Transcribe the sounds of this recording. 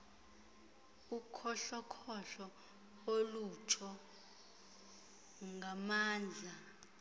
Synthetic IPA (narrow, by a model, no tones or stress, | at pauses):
ukʰɔɬɔkʰɔɬɔ | olut͡ʃʰɔ | ŋɡʱamaːnd͡ɮʱa